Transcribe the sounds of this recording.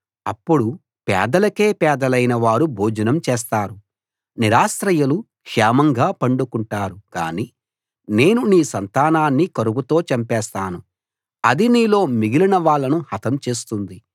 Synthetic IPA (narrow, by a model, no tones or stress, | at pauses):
ɐpːuɽu | pɛ̰ːd̪ɐlɐke̞ːpɛːd̪ɐlɐjnɐʋaːɾubʱoːd͡ʒɐnɐmt͡ʃɛːst̪aːɾu | niɾaːsɾɐjɐlu | kʂɛːmɐŋɡaːpɐɳɖukuɳʈaːɾuka̰ːni | ne̞ːnuniːsɐnt̪aːnaːnːikɐɾuɡut̪o̞ːt͡ʃɐmpɛːst̪aːnu | ɐd̪iniːlo̞ːmiɡilinɐʋaːɭːɐnuhɐt̪ʰɐmt͡ʃe̞ːst̪und̪i